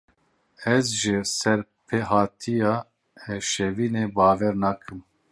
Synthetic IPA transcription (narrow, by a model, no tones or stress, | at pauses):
ɛzʒɪsɛɾ | pʰeɦɑːt̪ʰijɑː | ɛʃɛviːneːbɑːvɛɾnɑːkʰɨm